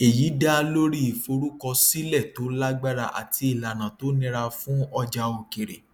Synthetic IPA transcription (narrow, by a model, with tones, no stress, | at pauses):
e˨ji˨˦da˦˧lo˦ɾi˦i˨fo˧ɾu˦kɔ˧si˦lɛ˦˨to˨˦la˦ɡ͡ba˦ɾa˧ʔa̰˨ti˧i˦˨la˨nã˨to˨˦nĩ˧ɾa˧fũ˦ɔ˧d͡ʒa˧o˧ke˨ɾḛ˨